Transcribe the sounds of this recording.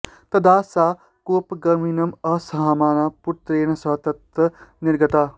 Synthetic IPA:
t̪ɐd̪aːsa | kopɡɐɾminɐmɐsɐɦamaːnaput̪ɾeːnɐsɐɦt̪ɐt̪əniɾɡɐt̪a

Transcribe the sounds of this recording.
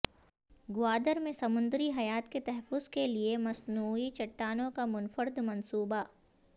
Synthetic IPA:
ɡʊaːd̪əɾmẽsɐmʊ̃nd̪ɾiɦɐjaːt̪ket̪ɛɦɛfʊzkeliemɐsnuːit͡ʃɐʈːaːnõkamʊnfəɾd̪mɐnsuːba

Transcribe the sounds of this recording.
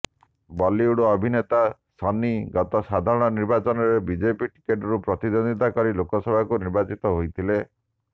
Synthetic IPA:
bɔliuɽɔɔbʱinet̪asɔniɡɔt̪ɔsad̪ʱaɾɔɽ̃ɔniɾbat͡ʃɔnɔɾebid͡ʒepiʈi̥keʈɔɾupɾɔt̪id̪ond̪it̪akɔɾilokɔsɔbʱakuniɾbat͡ʃit̪ɔɦojt̪ʰile

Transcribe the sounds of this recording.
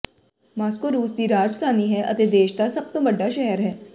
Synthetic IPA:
maːskoɾuːsd̪iɾaːd͡ʒt̪ʰaːniɦɛʔɐ̰t̪ed̪eːʃd̪asɐb̚t̪õʋɐɖːaʃɛɦəɾɦɛː

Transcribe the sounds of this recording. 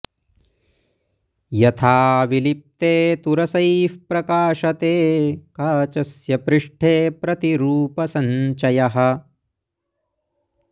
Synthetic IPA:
jɐt̪ʰaːʋilip̚t̪eːt̪uɾɐsɐjfpɾɐkaːʃɐt̪eːkaːt͡ʃɐsjɐpɾɪʂʈʰeːpɾɐt̪iɾuːpɐsɐɲt͡ʃɐjɐɦɐ̆

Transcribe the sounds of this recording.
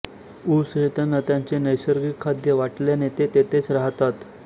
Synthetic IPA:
usɦet̪ənːət̪jãɲt͡senəjsəɾɡikʰːad̪jəʋaʈljanet̪et̪et̪et͡sɾaɦt̪at̪

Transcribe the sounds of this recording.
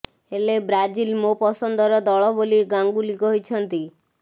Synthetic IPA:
elebɾad͡ʒilmopɔsɔnd̪ɔɾɔd̪ɔɭɔboliɡaŋɡulikɔɦit͡ʃʰɔnt̪i

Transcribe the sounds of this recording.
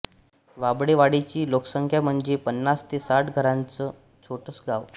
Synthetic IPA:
ʋabɽeʋaɽet͡ɕiːloksəŋkʰjam̤əɳd͡zepənːast̪esaʈɡʱəɾãnt͡sə | t͡sʰoʈəsɡaʋ

